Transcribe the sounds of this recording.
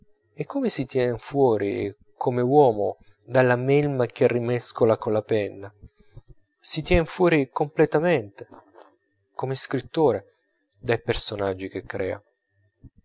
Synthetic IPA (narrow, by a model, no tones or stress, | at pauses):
ekːomesit̪jɛnfwɔːɾi | kʰomewɔːmo | d̪alːamɛlmak̟erːimɛskolakonlapɛnːa | sit̪jɛnfwɔːɾikomplet̪amɛnt̪e | komeskɾit̪ːoːɾe | d̪ajpersonad͡ʒːik̟ekːɾʔɛ̰ːa̰